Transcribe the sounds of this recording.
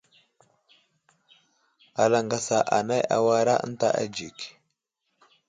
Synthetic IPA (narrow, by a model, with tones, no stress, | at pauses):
a˨la˨ŋɡa˨sa˨ʔa˨na˦ja̰˨wa˦ɾa˦ʔə̰˦n˦ta˦˨ʔa̰˦d͡ʒi˨k